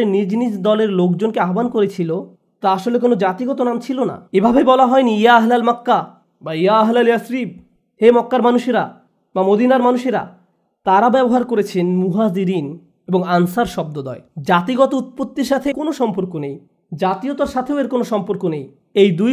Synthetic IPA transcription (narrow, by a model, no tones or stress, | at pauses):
enid͡ʑnid͡ʑd̪ɔleɾlokd͡ʑonkeaɦobankoɾet͡ɕʰilo | t̪aaʃolek̬onod͡ʑat̪iɡɔt̪onamt͡ɕʰilona̰ebʱabebɔlaɦɔenijaaɦlalmakːa | bajaaɦlaljasɾib̚ | hemɔkːaɾmanuʃeɾa | bamod̪inaɾmanuʃeɾa̰ | t̪aɾabɛboɦaɾkoɾet͡ɕʰenmuɦaziɾin | eboŋansaɾʃɔb̚d̪od̪ɔ̰ed͡ʑat̪iɡɔt̪out̪̚pot̪ːiɾʃat̪ʰekonoʃɔmpoɾkonej | d͡ʑat̪iot̪aɾʃat̪ʰeoeɾkonoʃɔmpoɾkonej | ejd̪u